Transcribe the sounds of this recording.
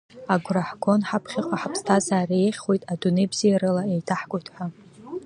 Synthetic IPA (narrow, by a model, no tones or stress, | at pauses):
aɡʷraħɡʷo̞nħapʰχʲɪqʷʼaħapʰstʰazaːrejχʲχojtʼadunejbz̥ijaɾɨlaejtʰaħɡʷʼʊtʰħʷa